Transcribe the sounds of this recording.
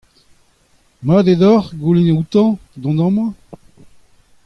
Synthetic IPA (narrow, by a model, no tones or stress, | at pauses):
mad̪ed̪ɔʁɡulenut̪ɑ̃d̪ɔ̃nɑ̃mɑ̃